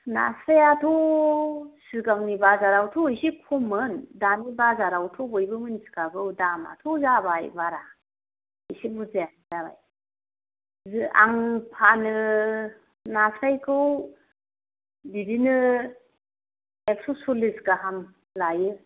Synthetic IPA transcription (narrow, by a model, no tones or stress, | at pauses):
na̰sajatʰɔ | sɯɡaŋnibazaɾawtʰuisikʰumɯndanibazaɾawtʰɔbɔjbɯmɯnsi̥kaɡɯwdama̰tʰuzabajbaɾa | isibuzeja | zaβa̰j | za̰ŋpʰanɯ | nasajkʰɯw | bidinɯ | ek̚sɔsulisɡaɦam | lajɯ